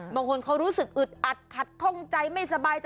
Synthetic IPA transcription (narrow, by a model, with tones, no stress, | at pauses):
bɔː˧ŋkʰo˧nkʰa˦˥wɾuː˦˥sɯ˨˩k̚ʔɯ˨˩t̪̚ʔa˨˩t̪̚kʰa˨˩t̪̚kʰɔ˥˩ŋt͡ɕa˧jma˥˩jsa˧baː˧jt͡ɕ